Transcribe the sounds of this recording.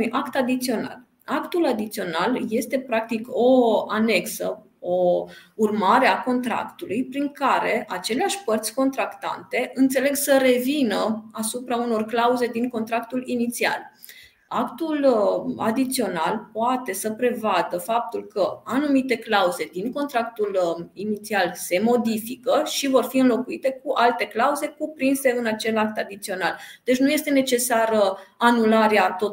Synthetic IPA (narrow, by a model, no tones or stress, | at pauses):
ujʔakt̪ad̪it̪sio̞na̰l | akt̪ulad̪it̪sio̞nalje̞st̪e̞pɾak̚t̪iko̞ane̞ksə̰ | o̞urmaɾe̞ako̞nt̪ɾa̰kt̪ulujpɾiŋkaɾe̞at͡ʃe̞leaʃʲpərt̪sʲko̞nt̪ɾakt̪a̰nt̪e̞ɨnt̪se̞le̞ɡsəɾe̞vinəasupɾauno̞rklauze̞d̪iŋko̞nt̪ɾakt̪ulinit̪sia̰l | akt̪ula̰d̪it̪sio̞nalpoat̪e̞səpɾe̞vad̪əfap̚t̪ulkəanumit̪e̞klauze̞d̪iŋko̞nt̪ɾak̚t̪ulinit̪sialse̞mo̞d̪ifikəʃivo̞rfiɨnlo̞kuit̪e̞kuʔalt̪e̞klauze̞kupɾinse̞ɨnat͡ʃe̞lak̚t̪ad̪it̪sio̞nald̪̥et͡ʃnuje̞st̪e̞ne̞t͡ʃe̞saɾəanulaɾeat̪o